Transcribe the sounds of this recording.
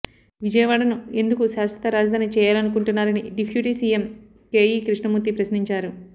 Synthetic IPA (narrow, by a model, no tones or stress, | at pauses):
ʋid͡ʒɐjɐʋaːɽɐnue̞nd̪ukuʃaːsʋɐt̪ɐɾaːd͡ʒɐd̪aːnit͡ʃɛːjaːlɐnukuɳʈunːaːɾɐniɖipʰjuːʈisiːjem | keːjiːkɾiʂɳɐmut̪ːipɾɐsniɲt͡ʃaːɾu